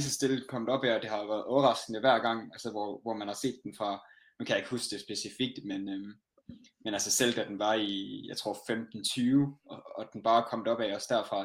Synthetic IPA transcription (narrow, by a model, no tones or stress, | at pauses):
s̬əsd̥e̝lkʰɒ̽m̰d̥ɒ̽b̥ɛɒ̽d̥e̝hɑ̈ʋæɐð̩ˠɒʊɐʁɑ̈sɡ̥nəʋæɐ̰ɡ̥ɑ̈ŋ̰ælsəʋɒʋɒmænhɑ̈se̝̰ːd̥ːenfʁɑ̈ | nukʰæjɑ̈e̝ɡ̥husd̥e̝sb̥e̝sifiɡ̥̚d̥menø | menælsəsel̰d̥æd̥enʋɑ̈ijɑ̈ɪt͡sʰʁo̝ɐ̰femd̥n̩t͡sʰyːʊɒɒ̽d̥enb̥ɑ̈ːkʰɒ̽m̰d̥ɒ̽b̥ɛɪɒ̽sd̥æɐfʁɑ̈